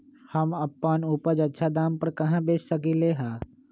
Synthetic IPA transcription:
hɐmɐpːaːnuːpəd͡ʒɐtːʃʰad̪aːmpɐɾkɐɦãbeːt͡ʃsɐkileɦãː

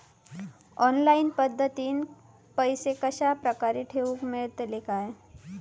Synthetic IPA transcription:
ɔnlainpəd̪ʱːət̪iːn | pəjsekəɕapɾəkaɾiʈʰeʋuːkmeɭt̪lekaj

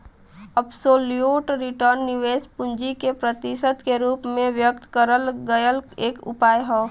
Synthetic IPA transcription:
əbsoːlijoːʈɾɪʈəɾnːɪʋeːspʊ̃nd͡ʒikepɾət̪iʃəd̪keɾuːpmẽʋjək̚t̪kəɾəlɡəjəleːkʊ̰paːjɦɛː

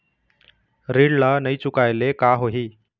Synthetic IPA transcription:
ɾiɽlanəit͡sukajlekaɦoɦiː

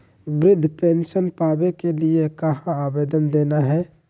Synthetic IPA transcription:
bɾɪd̪ʱːpeːnʃənpaːbekeliekɐɦãaːbeːd̪ənd̪eːnaɦɛː

